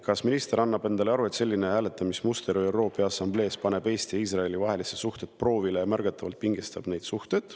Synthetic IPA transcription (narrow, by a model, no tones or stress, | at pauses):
kɑsminist̪eɾɑnːɑbe̞nd̪ɑleɑɾue̞t̪se̞lʲːine̞hæːle̞t̪ːˑɑmismust̪e̞ɾoewɾo̞ːpːˑeɑsɑmble̞ːspɑne̞be̞ːst̪iiːs̬rɑe̞livɑɦe̞lisesuht̪e̞t̪̚pro̞ːvilejɑmærɡ̥ɑt̪ːˑɑvɑlt̪̚piŋɡ̥ist̪ɑb̥nejd̪̥suht̪e̞d̪̥